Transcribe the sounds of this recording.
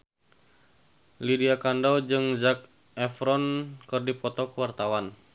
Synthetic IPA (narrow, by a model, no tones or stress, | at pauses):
lidiakandawd͡ʒɨŋzak̚ | ɛfɾɔnkɨrdipɔt̪ɔkəwart̪awan